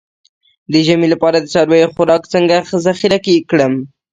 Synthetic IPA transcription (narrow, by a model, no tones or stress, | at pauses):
d̪əʒamilapɑɾad̪ət͡ʃɑɾwajoxʊɾɑkt͡səŋɡazaxiɾakekɽəm